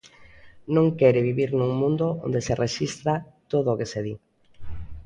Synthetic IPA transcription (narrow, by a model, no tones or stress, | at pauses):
nõŋkɛɾɪβiβiɾnuŋmũnd̪ʊõ̰nd̪eserʔeʃist̪ɾat̪oðoːkeseði